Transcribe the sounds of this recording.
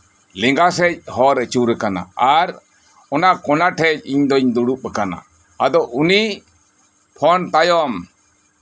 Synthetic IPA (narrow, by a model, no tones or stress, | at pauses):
lɛŋɡasɛc̚hɔɾət͡ʃuɾɛkana̰aɾ | ɔnakɔnaʈʰɛc̚iɲd̪ɔiɲd̪uɽup̚ɛkana̰ | ad̪ɔʔuni | pʰɔnt̪ajɔm